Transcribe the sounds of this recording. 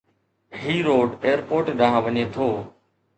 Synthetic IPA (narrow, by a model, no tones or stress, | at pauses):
ɦiːɾoːɖeːəɾpoːɾʈɗaːɦãːʋəɲeːt̪ʰoː